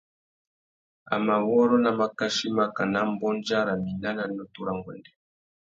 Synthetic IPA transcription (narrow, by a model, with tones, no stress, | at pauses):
a̰˨ma˨wɔ˦ɾɔ˦na˨ma˨ka˦ʃi˦ma˦ka˨na˦mbɔ˦nd͡ʒa˦ɾa˨mi˨na˦na˨nɔ˦tu˦ɾa˦ŋɡɔ̰˨ndɛ˨